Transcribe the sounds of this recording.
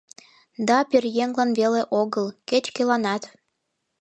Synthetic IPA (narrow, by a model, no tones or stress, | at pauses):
d̪ɑperjeŋlɑnveleʔoɣəlket͡ɕkelɑnɑt̪